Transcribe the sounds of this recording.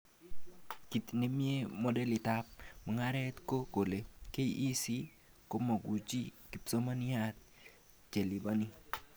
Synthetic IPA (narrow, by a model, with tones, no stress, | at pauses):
ki˨t̪ne˦mje˦mɔ˦dɛ˦lɪ˨t̪ap̚ma˨ŋa˦ɾɛ˦t̪ko˦ko˨le˨ke˦iʔːsi˦ | ko˦mo˨ɡu˨t͡ʃi˦ki˨pso˦ma˦nɪ˦a˦t̪̚ | t͡ʃe˨lɪ˨ba˦ni˦